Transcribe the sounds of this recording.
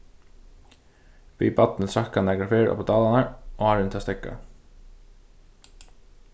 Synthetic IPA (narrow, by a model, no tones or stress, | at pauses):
ʋḭːpat̪nɪt̪ʰɾakːanɛːkafɪɾɔ̰pt̪ɑːlanaɹohaɾɪnt̪ʰɪast̪ɛkːa̰